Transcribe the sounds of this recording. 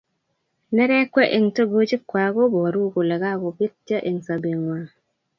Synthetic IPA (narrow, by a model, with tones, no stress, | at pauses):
ne˦ɾɛ˦kʷe˦ʔe˨ŋtə˦ɡo˦d͡ʒi˦kːwa˨ɡo˦bo˨ɾu˦ko˨le˨ɡa˦ɡo˨bi˦ti˦a˦ʔe˨ŋsa˨be˨ŋwa˨